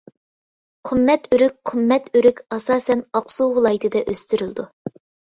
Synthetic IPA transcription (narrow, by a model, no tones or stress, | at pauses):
qʰɨmːɛt̪yɾyk̚ʲqʰɨmːɛt̪ʰyɾykʲɑsɑːsɛnɑqsuwɨlˠɑːjɪt̪ʰɨd̪ɛʔøst̪yɾylˠd̪u